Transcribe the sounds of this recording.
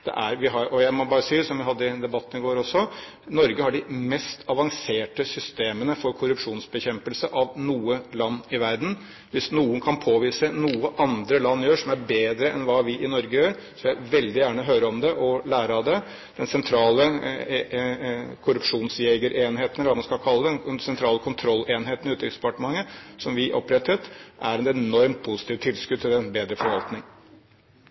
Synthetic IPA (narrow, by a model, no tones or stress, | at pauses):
d̪̥ɛ̰ʔæɾʋɪɦɑɾɔjæɪmɔbɑːɾəsiːsɔmʋɪɦɑd̪ːəɪd̪ɛbɑt̪ːənɪɡoːɾɔsːɔ | nɔɾɡəhɑɖɪmɛst̪ʰɑʋɑŋseːʈəsʏst̪eːmənəfɔɾkʰʊɾʉpʂuːnsbəçɛmpəlsəʔɑʋnuːəlɑnːɪʋæɾd̪n̩ | ʋɪsnuːʊnkʰɑnpʰoːʋiːsənuːəʔɑnd̪ɾəlɑnːjøːʂɔmæɾbeːd̪ɾəʔɛnʋɑːʋɪʔɪnɔɾɡəjøːɾsɔʋlæɪʋɛld̪ɪjæːɳəɦøːɾəɔmd̪ɛʔɔlæːɾɑd̪ɛ | d̪̥ɛnsɛnt̪ʰɾɑːlə | kʰʊɾʉpʂuːnsjeːɡəɾʔeːnɦeːt̪nəlʋɑmɑnskɑlkʰɑlːəd̪nsɛnt̪ʰɾɑːləkʰʊnt̪ʰɾɔlːeːnɦeːt̪ənʉːt̪əɪsd̪̥əpɑʈəmɑŋːəsɔmʋɪʔɔ̰pːɾɛt̪ʰːət̪ʔæɾɛt̪ɛnɔɾmt̪̚pʰusɪ̥t̪ʰiːʋt̪ʰɪlskʉd̪̚t̪ʰɪlɛnbeːd̪ɾəfɔɾʋɑlt̪nɪŋ